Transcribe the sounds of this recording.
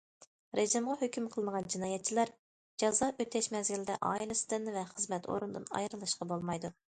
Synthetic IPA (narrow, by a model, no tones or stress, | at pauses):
ɾeʒɪmʁɑɦøkʲymqʰəlˠməʁɑnd͡ʒinɑːjɛt̪̚t͡ʃʰilæɾ | d͡ʒɑzɑʔøt̪ʰɛʃmɛzɡʲilɪd̪ɛ̰ʔɑ̰ːilˠɨsɪ̥d̪ɪnvɛχəzmɛt̪ʰo̰ɾund̪ɨ̰nɑ̰jɾɨlˠɨʃqɑbolˠmɑjd̪u